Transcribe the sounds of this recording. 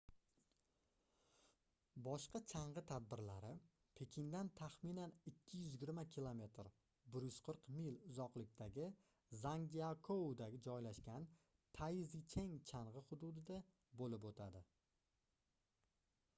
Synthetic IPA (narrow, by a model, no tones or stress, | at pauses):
bɒʃqɑt͡ʃʰaɴʁɨt̪ʰad̪̚bɪɾlaɾɪ | pʰe̞kʲʰɪnd̪ant̪ʰaχmɪnanɪkʲʰːɪjʏzɪɡʲɪɾmakʲʰilˠome̞t̪ɾ | bɪɾjʏz̥qʰɨɾqmilʊzɒqlˠɪkʲt̪ʰaɡʲɪ | zaŋɡʲiakʰoud̪aɡʲɪd͡ʒɒjlaʃkʲan | t̪ʰajzit͡ʃʰeŋt͡ʃʰaɴʁɨhʊd̪ʊd̪ɪd̪a | bolɪp̬ot̪ʰad̪ɪ